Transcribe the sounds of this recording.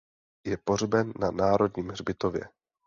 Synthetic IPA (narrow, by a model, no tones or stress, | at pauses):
jɛporbɛnːanaːɾo̞dɲiːmrbɪt̪ovjɛ̰